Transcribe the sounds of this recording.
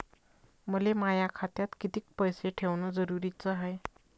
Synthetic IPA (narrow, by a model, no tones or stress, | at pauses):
məlemajakʰat̪jat̪kit̪iːk̚pəjseʈʰeʋnɔd͡zəɾuɾit͡səɦaj